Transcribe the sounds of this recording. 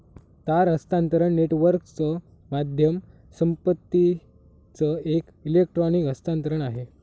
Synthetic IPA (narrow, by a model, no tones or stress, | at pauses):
t̪aɾəst̪ãnt̪ɾəɳneʈʋəɾkt͡sə | mad̪ʱjəm | səmpət̪ːi | t͡səek | ilek̚ʈɾɔnikəst̪ãnt̪əɾəɳaɦe